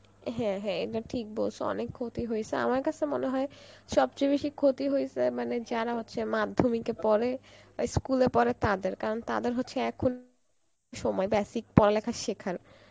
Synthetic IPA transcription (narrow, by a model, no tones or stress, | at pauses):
ɦɛ̃ɦɛ̃ḛʈaʈʰik̚bolsʰoɔ̰nekʰːot̪iɦojsʰea̰maɾkat͡ɕʰemoneɦɔeʃɔbt͡ɕobeʃikʰot̪iɦojt͡ɕʰemaned͡ʑaɾaɦotːɕʰemad̪ʱːomikepɔɾe | askulepɔɾet̪ad̪eɾkaɾont̪a̰d̪eɾɦotːɕʰeɛkʰon | ʃɔmɔebɛsik̚pɔɾalɛkʰaʃekʰaɾ